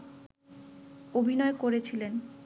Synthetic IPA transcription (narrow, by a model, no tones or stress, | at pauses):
obʱinɔekoɾet͡ɕʰilen